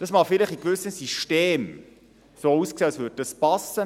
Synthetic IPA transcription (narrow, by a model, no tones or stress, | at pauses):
d̥ɑsmɑːχfɪlɪχikvʏsəsiʃteːm | soːuskseːɑsvʏd̚dɑspɑsə